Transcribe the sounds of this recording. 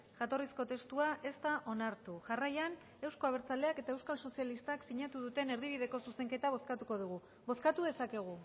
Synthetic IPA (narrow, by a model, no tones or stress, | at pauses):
ʝat̪o̞risko̞t̪e̞st̪uaʔe̞st̪aʔo̞naɾt̪uʝarajan | e̞wsko̞aβ̞e̞ɾt͡sale̞ake̞t̪ae̞wskalso̞sialist̪aksiɲat̪uðut̪e̞ne̞ɾðiβiðe̞ko̞suse̞ŋke̞t̪aβ̞o̞skat̪uko̞ð̞uɣ̞u | βo̞skat̪uð̞e̞sake̞ɣ̞u